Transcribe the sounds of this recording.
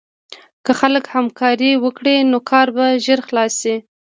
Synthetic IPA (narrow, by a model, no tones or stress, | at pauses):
kəxaləkhamkʰɑɾiwəkɽenokʰɑɾbaʒəɾxlɑsi